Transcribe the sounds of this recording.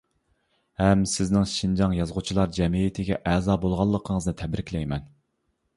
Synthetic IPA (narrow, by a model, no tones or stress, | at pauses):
hɛmsɪznɪŋʃind͡ʒɑŋjɑzʁʊt͡ʃʰilˠɑɾd͡ʒɛmijit̪ʰɪɡʲɛ̰ʔɛzɑːbolˠʁɑlˠːəqʰəŋəznɨt̪ʰɛbɾɪkʲlɛjmɛn